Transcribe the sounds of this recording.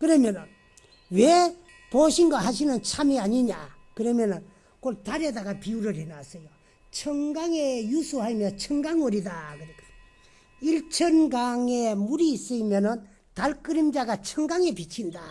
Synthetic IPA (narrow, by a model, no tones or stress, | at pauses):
kɯɾʌmjʌnɯn | we | poɕʰinɡaɦaɕʰinɯnt͡ɕʰamiaɲiɲa̰ | kɯɾʌmjʌnɯn | koɭtaɾedaɡapiuɾɯɭhenasʌjo | t͡ɕʰʌŋɡaŋejusʰuɦaimjʌnt͡ɕʰʌŋɡaŋɯɾidakɯɾekʰ | iɭt͡ɕʰʌnɡaŋemuɾiːs͈ɯimjʌnɯn | taɭk͈ɯɾimd͡ʑaɡat͡ɕʰʌŋɡaŋepit͡ɕʰinda